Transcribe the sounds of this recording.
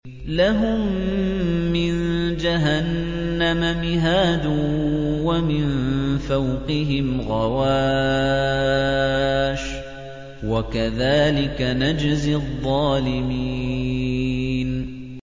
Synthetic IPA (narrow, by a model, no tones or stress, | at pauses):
laɦʊmː | ɪnd͡ʒaɦanː | amamɪɦaːd̪ʊwamɪnnfawqɪɦɪmɣɑwaː | ʃ | wakaðaːlɪkanad͡ʒzɪðˤːɑːlɪmiː | n